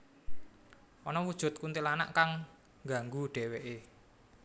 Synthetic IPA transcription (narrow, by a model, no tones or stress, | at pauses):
ʔɔnɔwud̥ʒ̥ʊ̤t̪̚kunt̪ilana̰ʔkaŋ | ɡa̤ŋɡuɖ̥ɛ̤weʔe